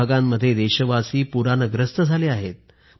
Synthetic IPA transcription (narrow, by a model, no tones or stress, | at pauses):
aɡamːəd̪ʱːjed̪eɕəʋasiːpuɾanəɡɾəst̪əd͡zʱaliːaɦet̪̚